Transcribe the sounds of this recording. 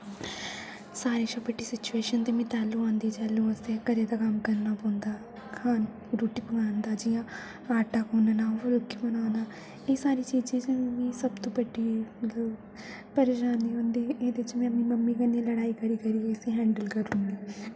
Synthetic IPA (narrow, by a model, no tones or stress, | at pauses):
saːɾiːsɐbəʈːiːsɪt͡ʃueːʃənt̪eːmɛ̃ːt̪ɛːlːũãːnd̪iːt͡ʃɛːlːũːəst̪ekəɾed̪aːkɐmkəɾnaːpõːnd̪aː | kʰaːn | ɾuːʈiːbəɡaːnd̪aːd͡ʒɪjãː | aːʈaːkõːnanaːʋʊlkːibənaːnaː | esaːɾiːt͡ʃiːd͡ʒẽːd͡ʒẽmmĩːsəbt̪õːbəɖiːmɐt̪ləb | pəɾeːʃaːniɦõːnd̪iːeːd̪eɪt͡ʃmɛ̃ːmĩməmːikənẽləɽaːiːkəɾiːkəɾiːsiːɦɛ̃ːɳɖəlkəɾũːnɡiː